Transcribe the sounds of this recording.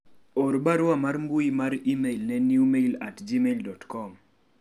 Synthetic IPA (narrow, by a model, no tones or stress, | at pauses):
ɔɾbaɾʊwamarmbuimaɾimelnɛniumeilatd͡ʒimeldɔtkɔm